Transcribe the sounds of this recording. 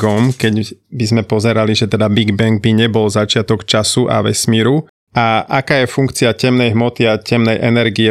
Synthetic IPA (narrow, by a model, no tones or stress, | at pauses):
ɡɔmkɛɟbizmɛpɔzɛɾaliʒɛt̪ɛd̪abiɡbɛŋɡ̚biɲɛbɔlzat͡ʃɪat̪ɔkt͡ʃasuʔa̰ʋɛsmiːɾu | ʔaʔakaːjɛfuŋkt͡siacɛmnɛjɦmɔt̪iacɛmnɛjʔɛnɛɾɡiɛ